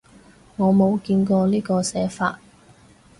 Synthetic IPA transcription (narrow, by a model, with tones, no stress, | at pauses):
ŋɔː˨˧mo˨˧wkiː˧nkɔː˧liː˥kɔː˧sɛː˨˥fa̰ː˧t̚